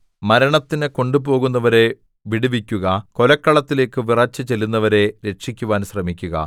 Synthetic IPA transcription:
mɐɾɐɳɐt̪ːinɨko̞ɳɖupo̞ːɣunːɐʋɐɾe̞ | ʋiɽiʋikʲːuɣɐko̞lɐkːɐɭɐt̪ːile̞ːkːɨʋirɐt͡ɕːɨt͡ɕelːunːɐʋɐɾe̞ɾe̞ʂikʲːuʋaːnɕrɐmikʲːuɣɐ̰

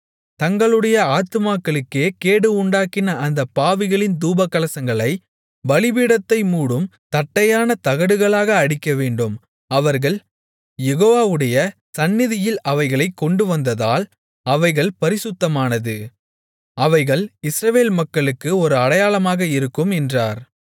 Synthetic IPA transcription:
t̪ɐŋɡɐɭɯɽɐjɐaːt̪ɯmaːkːɐɭɯkːeːkeːɽɯʊɳɖaːkɪnɐːnd̪ɐpːaːʋɪɣɐɭɪnd̪uːbɐkːɐlɐsɐŋɡɐɭɐɪ | bɐlɪbiːɽɐt̪ːɐɪmuːɽɯm | t̪ɐʈːɐjaːnɐt̪ɐɣɐɽɯɣɐɭaːɣɐːɽɪkːɐʋeːɳɖɯm | ɐʋɐɾɣɐɭ | jɛɣoːʋaːʋɯɽɐjɐsɐnːɪðɪjɪlɐʋɐɪɣɐɭɐɪkːɔɳɖɯʋɐnd̪ɐða̰ːl | ɐʋɐɪɣɐɭpɐɾɪsʊt̪ːɐmaːnɐðɯ | ɐʋɐɪɣɐɭɪsɾɐʋeːlmɐkːɐɭɯkːɯɔɾɯɐɽɐjaːlɐmaːɣɐɪɾɯkːɯmɛndraːɾ

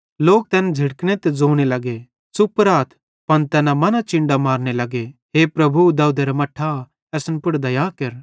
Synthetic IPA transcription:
loːk̚t̪ɛːnd͡ʒʱɪɽkɽ̃et̪ed͡zoːɽ̃elɐɡe | sʊpɾaːt̪ʰ | pɐnt̪ɛːnãmɐnat͡ʃɪ̃ɳɖamaːɾñelɐɡeɦeːpɾɐbʱud̪ɐud̪eɾamɐʈʰːa | ɛsnpʊɽd̪ɐjaːkɐɾ

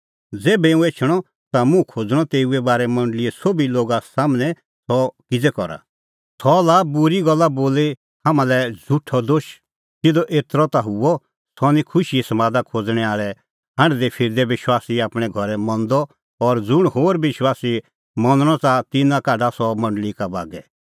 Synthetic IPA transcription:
d͡zeːbɛũeːt͡ʃʰəɽ̃ɔ | t̪amũkʰoːd͡zɽ̃ɔt̪eːuɛbaːɾɛmɐ̃ɳɖəlɪɛsobiloːɡasaːmnɛ̃ | sɔkɪd͡zɛkɔɾa̰ | sɔlabʊɾiɡɔlːaboːle | haːmãlɛd͡zʱuʈʰɔd̪oːʃ | tɪd̪ɔʔeːt̪ɾɔt̪aɦʊɔ | sɔnĩkʰʊʃiɛsɐmãːd̪akʰoːd͡zɽ̃ɛaːɭɛ | ɦãɳɖd̪epʰɪɾd̪ɛʋɪʃwaːsiaːpɽ̃ɛɡʱɔɾɛmɔ̃nd̪ɔ | ɔɾd͡zʊɽ̃hoːɾʋɪʃwaːsi | mɔ̃nəɽ̃ɔt͡sat̪ɪnãkaːɖasɔmɐ̃ɳɖəlikaba̰ːɡɛ

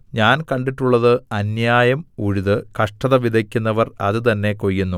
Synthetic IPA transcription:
ɲaːnkɐɳɖiʈːuɭːɐðɨɐnjaːjɐmuɻuðɨkɐʂʈɐðɐʋid̪ʱɐkʲːunːɐʋɐrɐðɨt̪ɐnːe̞kojːunːu

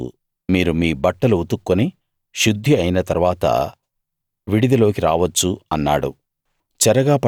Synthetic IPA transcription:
miːɾumiːbɐʈːɐluut̪ukːoni | ʃud̪ʱːiɐjinɐt̪ɐɾʋaːt̪ɐ̰ | ʋiɽid̪ɐlo̞ːkiɾa̰ːʋɐt͡ʃːuɐnːa̰ːɽṵ | t͡ʃɛɾɐɡaːpɐ

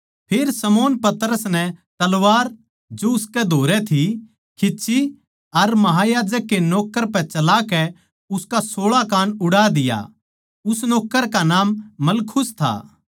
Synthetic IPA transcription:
pʰeːɾsɐmoːnpɐt̪əɾəsnɛt̪ɐlʋaːɾ | d͡ʒoʊskɛd̪ʱoːɾɛt̪ʰi | kʰɪt͡ʃʰi | ɐɾmɐɦajaːd͡ʒəkːenɔːkːəɾpɛt͡ʃɐlakɛ | ʊskasoːɭakaːnʊɽad̪ɪja̰ | ʊsnɔːkːəɾkanaːmːɐlkʰʊst̪ʰa̰ː

